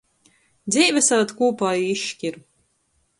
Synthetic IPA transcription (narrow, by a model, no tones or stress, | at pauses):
d̪ziːvʲɛsavat̪kuːpaːjiiʃcʲiɾu